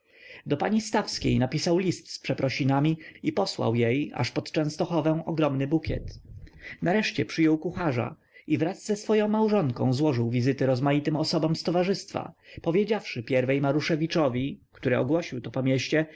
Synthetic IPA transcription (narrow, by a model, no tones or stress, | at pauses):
d̪ɔpaɲist̪afskʲḛjnapʲisawlʲist̪spʂɛpɾɔɕinamʲiipɔswa̰wjeja̰ʂpɔt̪t͡ʂɛ̃w̃st̪ɔxɔvɛ̃w̃ɔɡɾɔmnɘbukʲɛ̰t̪naɾɛʂt͡ɕɛpʂɘjɔwkuxaʐa̰ | ivɾazːɛsfɔjɔ̃w̃mawʐɔŋkɔ̰̃w̃zwɔʐɘwvʲizɘt̪ɘɾɔzmajit̪ɘmɔsɔbɔmst̪ɔvaʐɘst̪fa̰pɔvʲjed͡ʑafʂɘpʲjɛɾvɛjmaɾuʂɛvʲit͡ʂɔvʲikt̪uɾɘɔɡwɔɕiwt̪ɔpɔmʲjeɕt͡ɕɛ